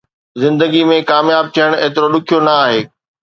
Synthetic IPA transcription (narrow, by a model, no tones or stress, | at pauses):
zɪ̃nd̪əɡimẽkaːmjaːb̚t̪ʰijəɽ̃eːt̪ɪɾoɗʊkʰijonɐaːɦeː